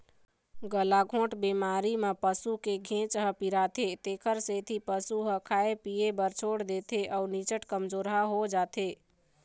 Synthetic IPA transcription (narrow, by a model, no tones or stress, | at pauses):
ɡəlaɡʱõːʈbemaɾimepəsukeɡʱẽt͡ʃɦəpiɾat̪ʰet̪ekʰəɾset̪ʰipəsuɦəkʰaepijebəɾt͡ʃʰoɽd̪et̪ʰeʔəunit͡ʃəʈkəmd͡ʒoːɾɦaɦod͡ʒaːt̪ʰe